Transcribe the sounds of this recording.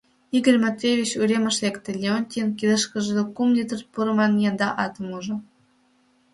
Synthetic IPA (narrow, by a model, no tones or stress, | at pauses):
iɡə̆lʲmot̪ɾʲevʲit͡ɕuɾʲemə̆ʃlʲekt̪ĕlʲeonʲt̪ʲinkʲiləʃkə̆ʒɤ̆d̪ekumd̪ʲit̪ə̆rpuɾɤ̆mɑnjɑnd̪ɑʔɑt̪ɤ̆muʒɤ̆